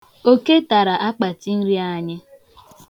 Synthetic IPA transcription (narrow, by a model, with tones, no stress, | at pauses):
o˦ke˦ta˨ɾa˨ʔa˦k͡pa˨ti˦n̩˦ɾi˦a˦˨ɲɪ˦